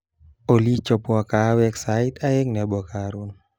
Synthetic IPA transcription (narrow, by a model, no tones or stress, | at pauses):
olit͡ʃopuakawɛksait̪aeŋnabɔakaɾun